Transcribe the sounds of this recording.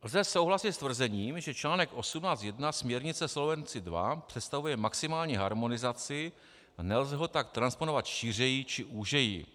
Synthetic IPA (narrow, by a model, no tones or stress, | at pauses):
lzɛso̞wɦlasɪt̪st̪vr̩zɛɲiːmʒɛt͡ʃlaːnɛkʔo̞sumnaːt͡st̪jɛdnasmɲɛɾɲɪt͡sɛslo̞vɛnt͡sɪdva̰pr̝̥ɛt̪st̪avujɛmaksɪmaːlɲiɦaɾmo̞nɪzat͡sɪ | anɛlzɛɦo̞t̪ak̚t̪ɾansponovat̪ʃiːr̝ɛjit͡ʃɪʔuːʒɛjḭ